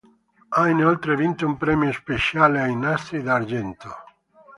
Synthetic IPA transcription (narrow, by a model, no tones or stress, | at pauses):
ajneolt̪ɾevint̪oumpɾɛmjospeʃjaleajnast̪ɾid̪aɾd͡ʒɛnt̪o